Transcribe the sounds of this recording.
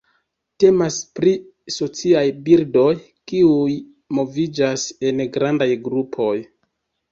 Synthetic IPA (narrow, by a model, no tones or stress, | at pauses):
te̞maspɾi | so̞t͡siajbildo̞j | kiuj | mo̞vid͡ʒase̞nɡɾandajɡɾupʰo̞j